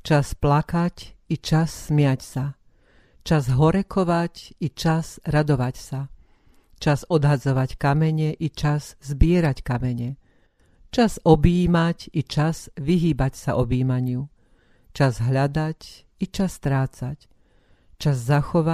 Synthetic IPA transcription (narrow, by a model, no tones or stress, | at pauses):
t͡ʃasplakacit͡ʃasːmɪacsa | t͡ʃazɦɔɾɛkɔʋacit͡ʃazɾad̪ɔʋacsa | t͡ʃazɔd̪ɦad͡zɔʋackamɛɲɛʔit͡ʃazzbɪɛɾackamɛɲɛ | t͡ʃazɔbiːmacit͡ʃaz̥ʋiɦiːbacsaʔɔbiːmaɲɪu | t͡ʃazɦʎad̪ac | it͡ʃast̪ɾaːt͡sac | t͡ʃazːaxɔʋa